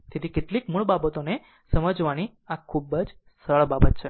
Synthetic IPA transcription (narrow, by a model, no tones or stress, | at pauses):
t̪ʰet̪ʰikeʈlikmuɭbabət̪one | səməd͡ʒʋañi | akʰubəd͡ʒ | səɭbabət̪t͡ʃʰe